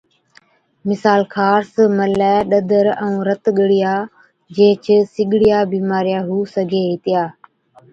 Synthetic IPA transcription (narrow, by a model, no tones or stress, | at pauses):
mɪsaːlkʰaːɾsməlɛːɗəd̪əɾəũːɾət̪ɠəɽɪjaː | d͡ʒẽːt͡ʃʰəsɪɠɽɪjaːbiːmaːɾjaːɦuːsəɡʱeːɦɪt̪ɪjaː